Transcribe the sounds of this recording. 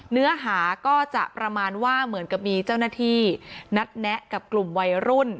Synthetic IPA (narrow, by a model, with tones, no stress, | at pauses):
nɯ˦˥ɐɦaː˩˦kɔː˥˩t͡ɕa̰˨˩ʔpɾa˧maː˧nwaː˥˩mɯ˩˦ənka˨˩p̚miː˧t͡ɕaː˥˩wnaː˥˩t̪ʰiː˥˩na˦˥t̪̚nɛ˦˥ka˨˩p̚klu˨˩mwa˧jɾu˥˩n